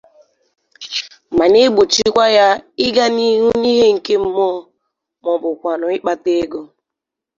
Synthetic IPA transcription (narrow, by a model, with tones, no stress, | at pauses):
ma˨ne˦ɡ͡bo˨t͡ʃi˦kʷa˦ja˦ɪ˦ɡa˦ni˦ɦu˦ni˦ɦe˦ŋ̩˨ke˦m̩˦mɔ˦˨ | mɔ˨bʊ˨kʷa˨nʊ˨ɪ˦k͡pa˦te˦ɡo˦